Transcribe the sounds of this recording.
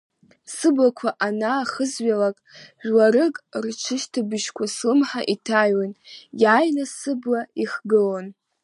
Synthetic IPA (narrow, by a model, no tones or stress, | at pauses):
sɨbakʷʰaʔanaχəzɥalakʼʒᶣlaɾɨkʼrʈ͡ʂʰɨʃtʰabɨʃkʷʰaslɨmħaʔitʰajanjajnasɨblaiχɡɨlon